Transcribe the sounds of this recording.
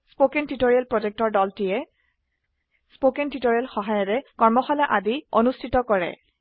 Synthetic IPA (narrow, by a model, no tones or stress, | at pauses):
spokentitoɹialpɹod͡ʒek̚tɔɹdɔltijɛ | spokɛntitoɹialxɔɦajɔɹɛkɔɹmɔxɔlɛʔadionustʰitɔkɔɹɛ̰